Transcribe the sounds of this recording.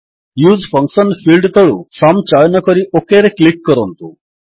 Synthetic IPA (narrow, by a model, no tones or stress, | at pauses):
juːd͡zfə̃ŋksənfilɖt̪əɭṵsamt͡ɕajnjəkəɾiʔokeɾeklikːəɾont̪u